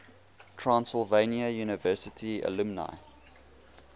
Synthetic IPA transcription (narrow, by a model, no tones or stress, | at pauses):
tʰɹãnsɪlˠveɪniəjuːnɪvɜˑsɪtʰiə̰lumna̰ɪ